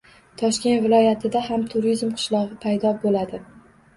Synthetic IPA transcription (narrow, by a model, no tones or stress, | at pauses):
t̪ʰɒʃkʲe̞nt̪vɪlˠɒjat̪ʰɪd̪aɦamt̪ʰʊɾizmqʰɨ̥ʃlˠɒʁɨpʰajd̪ɒbolad̪ɪ